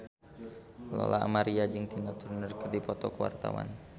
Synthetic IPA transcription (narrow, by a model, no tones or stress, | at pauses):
lɔ̰laa̰maɾiad͡ʒɨŋt̪inat̪urnərkərdipɔt̪ɔkəwa̰rt̪a̰wa̰n